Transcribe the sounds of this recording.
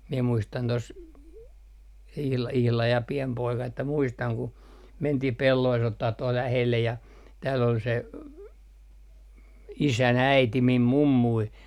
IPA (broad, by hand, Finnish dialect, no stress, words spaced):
miɛ muistɑn tos ihlɑ ihlɑj jɑ piem poikɑ etːæ muistɑŋ ku mentih pelːoist otːɑh tuol læhelːe jɑ tæːl ol se isæn æiti mim mumːui